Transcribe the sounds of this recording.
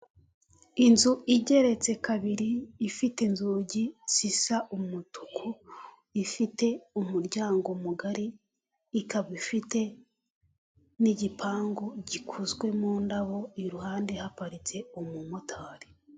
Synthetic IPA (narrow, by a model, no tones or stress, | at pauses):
inzuiɟe̞ɾe̞t͡se̞kaβiɾiːfite̞nzuːɟisisaʔumutu̥kʰu | ifite̞umuɾɟaːŋɡo̞muɡaɾiː | kaβifite̞ | niɟipʰaːŋɡoɟikʰuzɡwe̞muːndaβo̞iɾuɦaːnde̞hapaɾit͡se̞omumotʰaːɾi̥